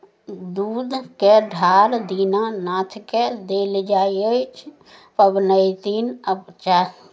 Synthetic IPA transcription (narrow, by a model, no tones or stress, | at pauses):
d̪uːd̪keɖʱaːɾd̪iːnanat̪ʰked̪eːld͡ʒaːiət͡ʃʰ | pəbnəɪt̪iːnəbt͡ʃa